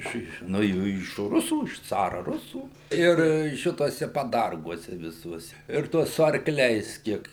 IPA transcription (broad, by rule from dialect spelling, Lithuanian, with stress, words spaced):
ˈɪʃ ˈɪʃ nuɔ ˈjuː ɪʃ ˈrʊsuː ɪʃ ˈt͡sɑːrɐ ˈrʊsuː ˈɪr ˈʃʲɪtuɔsʲɛ pɐˈdɐrɡuɔsʲɛ ʋʲɪˈsuɔsʲɛ ɪr ˈtuɔs sʊ ɐrkˈlʲɛɪs ˈkʲiɛk